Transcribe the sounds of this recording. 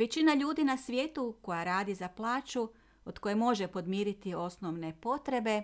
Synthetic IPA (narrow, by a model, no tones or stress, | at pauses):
ʋet͡ɕinaʎuːd̪inasʋʲjeːt̪uko̞jaɾaːd̪izaplˠaːt͡ʃu | od̪ko̞jemo̞ʒe̞po̞d̪miːɾit̪io̞snoʋne̞po̞t̪ɾe̞be̞